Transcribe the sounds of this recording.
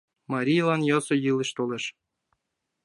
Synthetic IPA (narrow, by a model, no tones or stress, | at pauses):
mɑɾʲijlˠɑnjɑsŏjɯlˠɤ̆ʃt̪olˠĕʃ